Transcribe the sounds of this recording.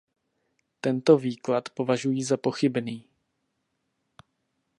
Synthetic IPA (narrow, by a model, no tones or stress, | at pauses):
t̪ɛnt̪o̞viːklat̪po̞vaʒujiːzapo̞xɪbniː